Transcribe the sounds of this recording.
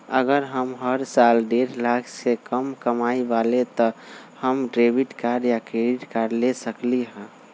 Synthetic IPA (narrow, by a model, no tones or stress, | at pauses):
ə̰ɡəɾɦəmɦəɾsalɖeɾlakʰsekəmkəmaiʋalet̪ɔhəmɖɾebiʈkaɾjakeɾiʈkaɾlesəkliɦɛ̃